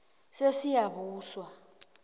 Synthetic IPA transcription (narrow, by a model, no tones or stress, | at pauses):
sesijabuːswa